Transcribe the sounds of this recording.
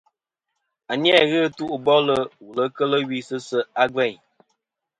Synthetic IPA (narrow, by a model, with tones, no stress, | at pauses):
a˨ni˦ɛ˦˨ɣə˦˨tu˦ʔu˨bɔ˦lə˦wu˨lə˦kə˦lə˦wi˦sɨ˦sə˦a˦ɡɛ˦˨ɲ